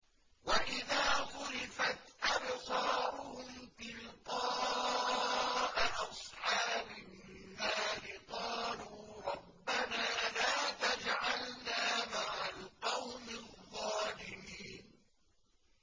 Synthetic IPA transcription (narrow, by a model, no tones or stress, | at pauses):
waʔɪðaːɣʊɾɪfat̪ʔabsɑːɾʊhʊmt̪ɪlt̪ɑː | ʔaʔɑsˤħɑːbɪː | aːlɪqɑːluːɾˤɑbːanaːlaːt̪ad͡ʒʕalnaːmaʕalqɑwmɪðˤːɑːlɪmiːn